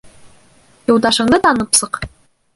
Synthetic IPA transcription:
jŏwd̪ɑʃɤ̆ɴd̪ɤt̪ɑnɤpsɤq

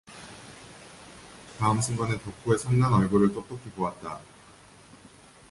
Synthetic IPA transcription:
taɯmsʰɯŋɡʌnetʌkʰue̞sʰʌŋnanʌɭɡoɾɯɭt͈ot͈okʰipowat̚t͈a

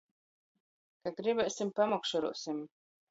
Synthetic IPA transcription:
kaɡɾibɛsʲimpamɔkʃɔɾṵːsim

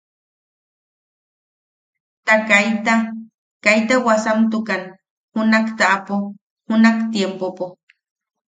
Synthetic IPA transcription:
t̪akajt̪a | kajt̪awasamt̪̬ukan | hunakt̪aʔapo | hunakt̪jempopo

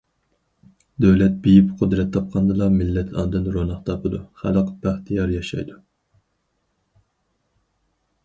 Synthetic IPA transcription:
d̪øwlɛt̪̚bijipqʰʊd̪ɾɛt̪ʰːɑp̚qʰɑnd̪ɨlˠɑmɪlːɛt̪ʰɑ̰ːd̪ɨnɾonɑχt̪ʰɑpʰɨd̪uχæ̰ləqbæχt̪ʰijɑɾjɑʃɑ̰jd̪u

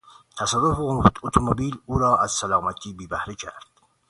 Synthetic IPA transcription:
t̪ʰæsæɾofot̪ʰomobiːluːɾɒːʔæz̥sælɑːmæt̪ʰiːbiːbæhɾicʰæ̰ɾd̪̥

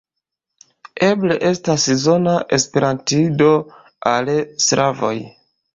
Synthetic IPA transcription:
e̞bleʔe̞staszo̞naʔe̞spe̞ɾʔantido̞ | alsɾavo̞̰j

